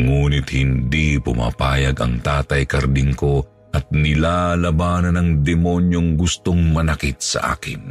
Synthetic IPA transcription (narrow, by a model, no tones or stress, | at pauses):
ŋuːnɪt̪hɪnd̪ipʊma̰ːpaːjɐɡɐ̰ŋt̪aːt̪ɐjkɐɾd̪ɪŋko | ʔɐt̪̚nɪlalɐbaːnɐnɐŋd̪ɛmonjoŋɡʊst̪oŋmɐnɐkɪt̪̚sɐ̰ʔa̰ːkɪn